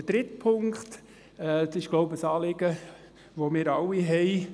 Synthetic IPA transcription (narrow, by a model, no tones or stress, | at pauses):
əd̥ɾɪt̪pʰʊŋkχt̪ | ɛt͡sɪʃɡ̥loʊbəsɑːlɪɡ̥ə | ʋomɪːɾɑwiɦɛɪ